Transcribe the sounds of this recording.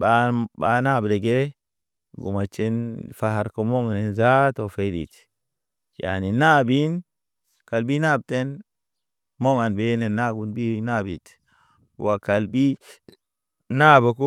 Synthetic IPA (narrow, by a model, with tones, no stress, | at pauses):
baba˦na˦bde˨ɡe˦ | ɡṵ˨ma˨t͡ʃe˦nfa˨ɦa˨ɾko˦mo˦ŋ˨ne˦nza˦to˨fe˦dḭ˨t | ja̰˨ni˨na˦bi˦n | ka˨lbi˦na˦˨b̚te˦n | mo˦ŋa˨nbe˦ne˨na˦ɡu˨nbi˦na˦bi˨t | wa˨ka˨lbi˦ | na˦ba˨ko˦